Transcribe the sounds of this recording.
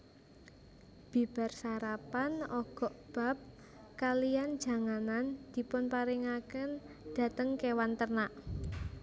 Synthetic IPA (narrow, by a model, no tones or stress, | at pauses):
b̥i̤b̥a̤rsaɾapanɔɡ̥ɔ̤ʔb̥a̤p̚ | kalijand̥d͡ʒ̥ä̤ŋanand̪̥i̤pʊnpaɾiŋakən | d̥a̤t̪əŋkewant̪ərnaʔ